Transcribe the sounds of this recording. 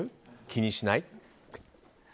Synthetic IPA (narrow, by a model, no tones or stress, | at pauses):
kʲʰiniʃnajt̪̚